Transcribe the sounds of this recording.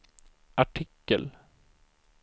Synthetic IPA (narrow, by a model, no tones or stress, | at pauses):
ʔaʈʰɪkːəl